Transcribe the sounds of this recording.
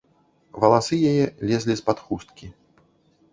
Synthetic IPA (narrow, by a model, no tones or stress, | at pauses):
vɐlˠasɨjajɛlʲɛzʲlʲispat̪xust̪̚kʲi